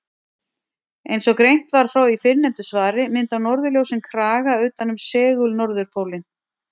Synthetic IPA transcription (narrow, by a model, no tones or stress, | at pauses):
ejnsɔkɾejn̥t̪vaɾ̥fɾawifɪɾnɛmt̪ʏsvaːɾɪmɪnt̪awnɔɾðʏljowsɪnkʰɾaːɣaʏːt̪anʏmsɛːɣʏlnɔɾðʏɾ̥pʰowlɪn